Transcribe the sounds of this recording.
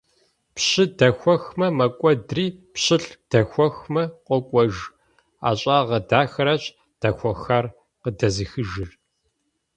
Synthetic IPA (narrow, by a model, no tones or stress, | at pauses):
pɕɪdɐxʷɔxmɐmɐkʷʼɔdriːpɕɪɬd̥ɐxʷɔxmɐqʷɔkʷʼɔʒ | a̰ːɕʼaːʁɐdaːxɐɾɐɕ | d̥ɐxʷɔxɐr | qədɐzɨxɨʒɨr